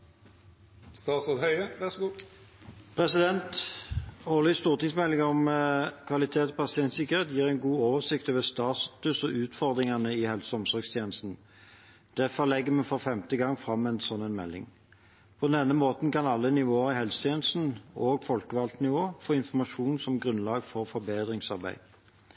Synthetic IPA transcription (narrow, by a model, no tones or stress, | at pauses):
st̪ɑːt̪sʁoːd̪hœʏəʋæʁsɔɡuː | pʰʁɛsɪd̪ɛnt̪ | ɔːʁlʏst̪uːʁt̪ɪŋsmɛlːɪŋɔmkʰʋɑlɪt̪ʰeːt̪ɔpʰɑsɪɛnt̪sɪkːəʁeːt̪jiːʁæɪnɡuːoːʋəsɪkt̪ɔːʋəst̪ɑːt̪ʉsɔʔʉːt̪fɔʁd̪ʁɪŋɑnəɪhɛlsɔmsɔʁɡst̪ʰjeːnəst̪n̩ | d̪̥æfɔʁlɛɡːəmɛnfɔfɛmt̪əɡɑŋːfʁɑmːɛnsɔnːənmɛ̰lːɪ̰ŋ | pʰɔd̪ɛnːəmoːt̪n̩kɑnɑlːənɪʋoːəʁɪɦɛlsɔt̪ʰjeːnəst̪n̩oːɡfɔlkəʋɑlt̪nɪʋoːfoːɪnfɔmɑʂuːnsɔmɡʁʉnlɑːɡfɔʁfɔʁbeːd̪ʁɪŋsɑʁbæ̰ɪ